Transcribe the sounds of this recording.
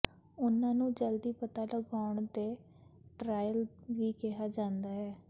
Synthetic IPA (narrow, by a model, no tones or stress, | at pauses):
ʊnãːnũːd͡ʒəld̪iːpət̪aːləɡaːʊɳd̪eː | ʈɾaːjəlʋiːkɛɦaːd͡ʒãːnd̪aːɦɛː